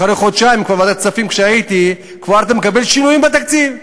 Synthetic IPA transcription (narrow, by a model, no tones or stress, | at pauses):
aɾejχod̪ʃaimkvaɾmad̪att͡safimkʃeajit̪i | kvaaɾt̪amekabe̞lʃinujimbet̪akt͡siv